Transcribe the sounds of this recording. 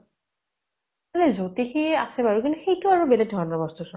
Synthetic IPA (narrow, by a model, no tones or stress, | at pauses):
alɛzotixiasɛbaɹukintuxejtʊaɹubelɛɡ̚dʱɔɹnɔbɔstusɔ